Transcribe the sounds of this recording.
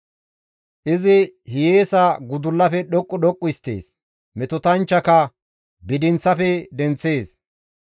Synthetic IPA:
ʔɪzɪhɪjeːsɐɡʊd̪ʊlːɐfɛɗɔkʼːʊɗɔkʼːʊɪst̪ːḛːs | mɛt̪ʊt̪ɐnt͡ʃːɐkɐ | bɪd̪ɪnt͡sːɐfɛd̪ɛnt͡sːe̞ːs

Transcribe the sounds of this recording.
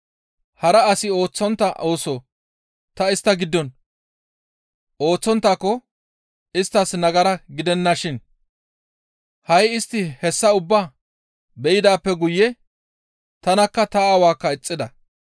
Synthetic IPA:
hɐɾɐːsɪo̞ːt͡sːɔnt̪ːɐʔo̞ːsoː | t̪ɐɪst̪ːɐɡɪd̪ːɔn | oːt͡sːɔnt̪ːaːkːɔ | ɪst̪ːɐsnɐɡɐɾɐɡɪd̪ɛnːɐʃɪn | hɐjɪst̪ːɪhɛsːɐʊbːaː | bɛjɪd̪aːpːɛɡʊjːɛ | t̪ɐnɐkːɐt̪ɐawaːkːɐɪt͡sʼːɪd̪ɐ

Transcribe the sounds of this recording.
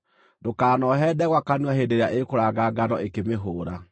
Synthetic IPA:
dokaːnɔɦɛdɛɣwakanwaɦedeɾeaʔekoɾaɡaɡanɔʔekemeɦoːɾa

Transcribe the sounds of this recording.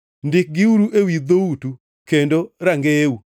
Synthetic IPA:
ndɪk̚ɡɪuɾuʔewid̪outu | kendoɾaŋɡeu

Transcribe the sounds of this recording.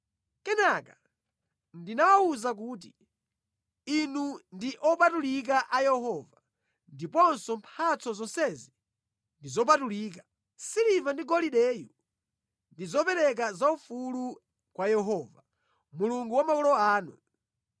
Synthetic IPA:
kɛnaka | ndinawauzak̬uːt̬i | inundiʔɔpatulik̬aʔajɛɦɔva | ndipɔnsɔmpʰat͡sɔzɔnsɛzi | ndizɔp̬atuliːk̬ḁ | silivandiɡɔliɗɛju | ndizɔpɛɾɛk̬azaufulu | kwajɛɦɔva | muluŋɡuwamakɔlɔaːnṵ

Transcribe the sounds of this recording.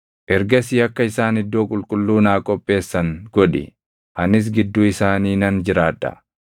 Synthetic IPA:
ʔɛɾɡɐsiːɐkːɐɪsaːnɪd̪ːoːkʼʊlkʼʊlːuːnaːkʼɔpʼːe̞ːsːɐŋɡ̥ɔᶑɪ̰ | hɐnɪs̬ɡɪd̪ːuːɪsaːniːnɐnd͡ʒɪɾaːd̪ːɐ̰

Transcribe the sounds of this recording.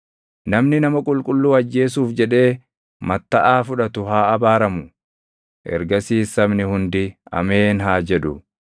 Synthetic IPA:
nɐmnɪnɐmɐkʼʊlkʼʊlːuːɐd͡ʒːe̞ːs̬uːfd͡ʒɛᶑe̞ː | mɐt̪ːɐʔaːfʊᶑɐt̪ʊhaːɐbaːɾɐmʊ | ʔɛ̰ɾɡɐsiːsːɐmnɪhʊnd̪ɪɐ̰meːnɦaːd͡ʒɛᶑʊ

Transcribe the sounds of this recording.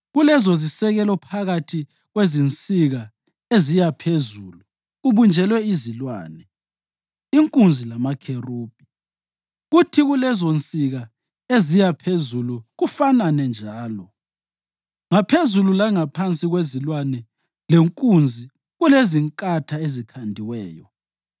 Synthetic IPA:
ɣulɛzozisɛɣɛlɔpʰaɣatʰi | ɣwezint͡sʼiɣa | ezijapʰezuːlu | ɣuβund͡ʒʱɛlwɛizilwa̰ːnɛ | iŋkʼund͡zʱilamakʰeruːb̥̚ʼʱi | ɣutʰiɣulɛzont͡sʼiɣa | ezijapʰezuluɣufananɛnd͡ʒʱaːlɔ | ŋapʰezululaŋapʰant͡sʼiɣwezilwanɛ | leŋkʼund͡zʱi | ɣuleziŋkʼatʰaezikʰandʱiwɛːjɔ

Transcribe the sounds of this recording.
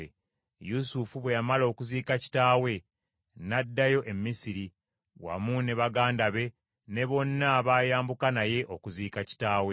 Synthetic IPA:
ḛ | jusufuβwe̞jamalo̞ːkuziːkaci̥taːwe̞ | nadːajo̞ʔe̞mːisiɾi | wa̰mune̞βaɡaːndaβe̞ | ne̞βo̞nːaβaːjaːmbukanaje̞ʔo̞kuziːkaci̥taːwe

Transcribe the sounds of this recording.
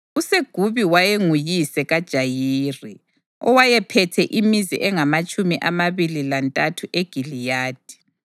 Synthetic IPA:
useɡ̥ʱuβiwajeŋujisɛɣad̥ʒ̥ʱajiːri | ɔ̰wajɛpʰɛtʰɛʔimizḭʔɛŋamat͡ʃʼumiʔamaβililantʼatʰuʔeɡ̥ʱilijaːd̥ʱi̥

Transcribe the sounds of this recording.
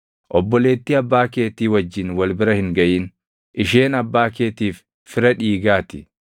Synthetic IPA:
ʔɔbːɔle̞ːt̪ːiɐbːaːke̞ːt̪iːwɐd͡ʒːɪnwɐlbɪɾɐhɪŋɡɐʔiːn | ʔɪʃe̞ːnɐbːaːkeːt̪iːfː | ɪɾɐᶑiːɡaːt̪ɪ

